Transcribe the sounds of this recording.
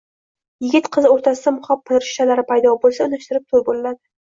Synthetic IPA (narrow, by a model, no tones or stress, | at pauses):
jɪɡʲɪt̪qʰɨzoɾt̪ʰasɪd̪amʊχapʰːɪlɪɾɪʃt̪ʰalaɾɪpʰajd̪ɒbolˠsaʊnaʃt̪ɪɾɪp̚t̪ʰolbolɪlad̪ɪ